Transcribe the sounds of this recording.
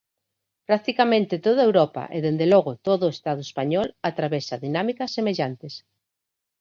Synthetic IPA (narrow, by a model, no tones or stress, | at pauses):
pɾak̚t̪ikamẽnt̪et̪oð̞aewɾɔpa̰ʔḛðend̪elɔɣ̞ʊt̪oðʊest̪aðʊespaɲɔlat̪ɾaβesaðinamikasːemeʎant̪es